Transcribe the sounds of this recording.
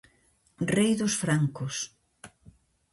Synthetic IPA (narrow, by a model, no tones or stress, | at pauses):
rejðʊsfɾaŋkʊs